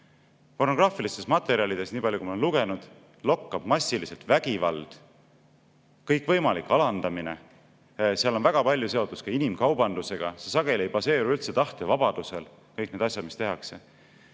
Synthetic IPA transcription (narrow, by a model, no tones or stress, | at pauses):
po̞rno̞ɡ̥rɑːfilist̪e̞smɑt̪ːˑe̞ɾiɑlid̪̥e̞sniːpɑlʲjukumenluɡ̥e̞nud̪̥ | lo̞kːɑb̥mɑsʲːilise̞lt̪væɡ̥ivɑld̪̥ | kɤjkːvɤjmɑlikːˑɑlɑnd̪̥ɑmine̞̰ | siɑlonvæɡ̥ɑpɑlʲjuse̞o̞t̪ːˑuskɑinimkɑwbɑnd̪use̞ɡ̥ɑsesɑɡe̞lʲie̞jb̥ɑse̞ːɾuylt̪se̞t̪ɑht̪e̞vɑb̥ɑd̪̥use̞l | kɤjk̚ːˑne̞d̪ɑsʲjɑd̪̚mist̪e̞ɦɑkse̞